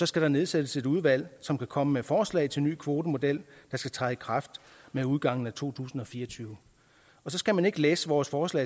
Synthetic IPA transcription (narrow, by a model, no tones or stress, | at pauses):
sɒ̽sɡ̥æɾ̥ɑ̈ne̝ð̞ˠsed̥əse̝d̥uð̞ˠʋæl̰sɒ̽mkʰækʰɒ̽məmefɒːslɛ̰ɪt͡sʰe̝lny̰ːkʰʋo̝ːd̥əmo̝d̥el̰d̥ɑ̈sɡ̥æt͡sʰʁɑikʰʁɑ̈fd̥meuð̞ˠɡ̥ɑ̈ŋ̰n̩æt͡sʰo̝̰ːt͡sʰṵːsn̩ɒ̽fiːɐɒt͡sʰyːʊə | ɒ̽sɒ̽sɡ̥æmæne̝ɡ̥əleːsəʋɒːsfɒːslɛ̰